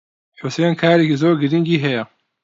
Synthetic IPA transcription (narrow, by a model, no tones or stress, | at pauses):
ħʊseːnkʰaːɾekizoːɾɡɨɾiŋɡiːɦɛjɛ